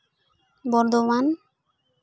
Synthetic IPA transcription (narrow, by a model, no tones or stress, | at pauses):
bɔɾd̪oman